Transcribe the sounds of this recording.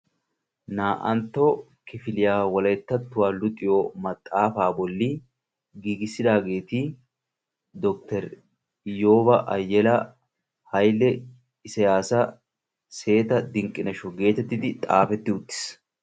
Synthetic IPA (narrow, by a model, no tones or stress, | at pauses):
naːʔɐnt̪ːo | kɪfɪlɪjaːwɔlɐjt̪ːɐt̪ːʊwaːlʊt̪ʼɪjoːmɐt̪ʼːaːfaːbɔlːɪ | ɡiːɡɪsɪd̪aːɡe̞ːt̪i | d̪ɔk̚t̪ɛɾ | joːbɐʔɐjːɛlɐ | hɐjlːɛ | ɪsɛjaːsɐ | se̞ːt̪ɐd̪ɪŋkʼːɪnɐʃɔɡe̞ːt̪ɛt̪ːɪd̪ɪt̪ʼaːfɛt̪ːɪʊt̪ːɪ̥s